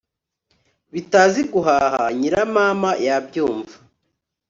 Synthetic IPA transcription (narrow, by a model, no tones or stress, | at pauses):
βitaːziɡuɦahaɲiɾamaːmajabjuːɱva